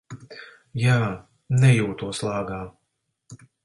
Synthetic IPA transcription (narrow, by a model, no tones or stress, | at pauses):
jaː | nɛjuːt̪uɔslˠɑːɡaː